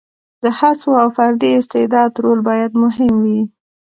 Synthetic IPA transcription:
d̪̥əhat͡soawfaɾd̪iɪst̪ɪd̪ɑd̪ɾolbɑjad̪mʊɦɪmwi

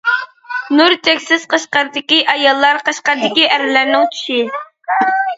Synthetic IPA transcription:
nuɾt̪ʰɛkʲsɪz̥qəʃqɑɾd̪ɪkʲiʔɑjɑlˠːɑɾqəʃqɑɾd̪ɪkʲiʔæɾɪlæɾnɪŋt͡ʃ̪ʰy̥ʃɪ

